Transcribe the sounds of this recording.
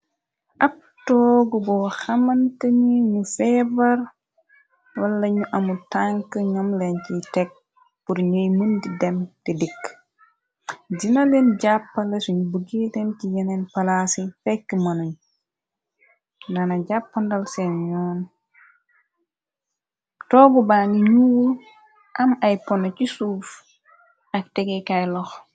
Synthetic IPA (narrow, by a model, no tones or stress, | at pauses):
ʔɐp̚ | tɔɡubɔwxɐmantɐɲiɲufɛbɐɾ | wɐlːɐɲuʔɐmutaŋkəɲamlɛncitɛk̚ | puɾɲojmundidɛmtidikː | d͡ʒinalenɟapːɐlɛsuɲubəɡitɛncijɛnɛnpɐlasifɛkːimɐnuɲ | nɐnɐɟapːɐndɐlsɛnjɔːn | tɔːbubaːniɲuwul | ʔɐmɐjpɔnɔcisuːf | ɐk̚tɛɡɛkajlɔx